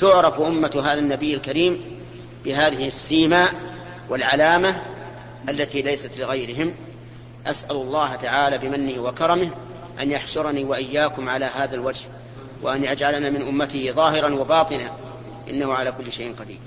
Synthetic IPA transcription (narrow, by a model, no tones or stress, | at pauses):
t̪ʊʕɾˤɑfʔʊmːat̪ɦaːðanːabɪjːalkaɾiːm | bɪɦaːðɪhɪsːiːmaːʔ | wɪlʕalaːma | ʔalːat̪iːlajsat̪lɪɣajɾɪɦɪm | ʔasʔalʊlˤːɑːɦat̪aʕaːlaːbɪmanːɪhwakɑɾˤɑmɪh | ʔa̰njaħʃʊɾˤɑniːwaʔɪjːaːkʊmʕalaːɦaːðalwad͡ʒh | wa̰ʔanʔad͡ʒʕalanaːmɪnʔʊmːat̪ɪhɪðˤɑːɦɪɾɑnwabɑːt̪ˤɨna | ʔɪ̰nːahʊʕalaːkʊlːʃajʔɪnqɑd̪ḭːɾ